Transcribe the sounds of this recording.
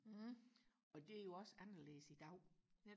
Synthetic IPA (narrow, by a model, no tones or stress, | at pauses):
ʔɒ̽d̥e̝æɐjo̝ɒ̽sænɐlḛːsid̥ɑ̈ʊ̰